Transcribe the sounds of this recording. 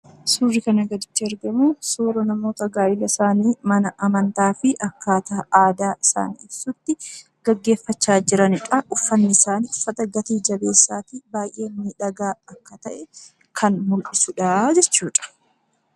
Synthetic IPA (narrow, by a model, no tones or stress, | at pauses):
suːrːɪkɐnɐɡɐd̪ɪt͡ʃːɪɛɾɡɐmuːsuːɾɐnɐmo̞ːt̪ɐɡaːjɪlɐsaːniːmɐnɐʔɐmɐnt̪aːfɪʔɐkːaːt̪aːaːd̪aːʔɪsa̰ːnḭːɪbsʊt̪ːɪ | ɡ̥ɐɡːe̞ːfːɐt͡ʃːaːd͡ʒɪɾɐnɪᶑɐʔʊfːɐnːɪsaːnʊfːɐt̪ɐɡɐt̪iːd͡ʒɐbe̞ːsːaːt̪ibaːjʔe̞ːmiːᶑɐɡaːɐkːɐt̪ɐʔɛ | kʰɐnmʊlʔɪsʊᶑaːd͡ʒɛt͡ʃːuːᶑɐ̥